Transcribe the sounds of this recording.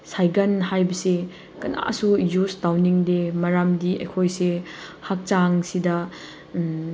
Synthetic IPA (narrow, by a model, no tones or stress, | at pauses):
sajɡɐnɦajbɐse | kɐna̰sujustawniŋdemɐɾamdiɐ̰jkʰojsehak̚t͡ʃaŋsidɐ